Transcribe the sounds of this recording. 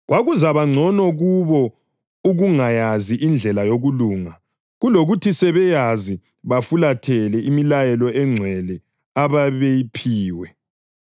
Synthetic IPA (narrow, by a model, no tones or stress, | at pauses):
ɣwaɣuzaβaŋ͡ǀʱɔnɔɣuβɔ | uɣuŋajaziʔind͡ɮʱɛlajoɣuluːŋa | ɣuloɣutʰisɛβɛjazi | βafulatʰɛlɛimilajɛlɔɛŋ͡ǀʱwɛlɛ | aβaβejipʰiːwɛ